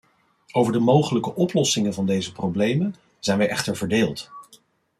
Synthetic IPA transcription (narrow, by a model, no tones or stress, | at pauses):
owvəɹdəmowχələkəʔɔplɔsɪŋənvɑndejzəprowblejmən | z̥ɛjnʋɛjʔɛχtəɹvəɹdeːlˠt